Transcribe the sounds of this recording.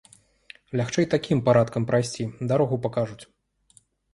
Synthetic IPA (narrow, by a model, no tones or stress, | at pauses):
lʲaxt͡ʂɛjt̪akʲimpaɾat̪kɐmpɾajsʲt͡sʲid̪aɾɔɣupakaʐut͡sʲ